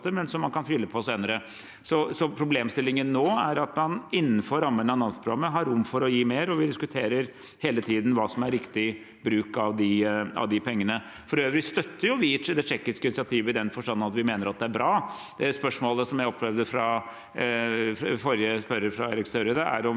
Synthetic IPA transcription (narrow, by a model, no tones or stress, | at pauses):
t̪əmɛnsɔmːɑnkʰɑnfʏlːəpʰɔseːnəɾə | sɔsɔpʰɾʊbleːmst̪ɪlːɪŋənːoːæɾɑt̪mɑnɪnːənfɔːɾːɑmːənəɑnɑnspʰɾʊɡɑmːəɦɑɾːʊmːfɔɾɔjiːmeːɾɔʋɪd̪ɪskʉt̪ʰeːɾəɾ | heːlət̪ʰiːd̪n̩ʋɑːsɔmæɾɾɪkt̪ɪ | bɾʉːkɑʋd̪ɪɑ̰ʋd̪ɪpʰɛŋːənə | fɔɾøːʋɾɪst̪œt̪ːəɾjʊʋɪd̪ɛʂɛkːɪskəɪnɪsɪɑt̪ʰiːʋəɪd̪ɛnfɔʂʈɑnːənɑt̪ʋɪmeːnəɾɑt̪̚d̪ɛæɾbɾɑː | d̪ɛspœʂmoːləsɔmjæɪɔpʰːlɛʋd̪əfɾɑ | fɔɾjəspœɾəɾfɾɑeːɾɪksœɾəd̪əæ̰ɾɔm